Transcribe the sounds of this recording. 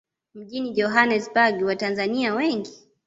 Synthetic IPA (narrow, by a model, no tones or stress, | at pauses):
m̩ʄinid͡ʒɔɦanɛsbaɡiwatanzaniawɛŋɡi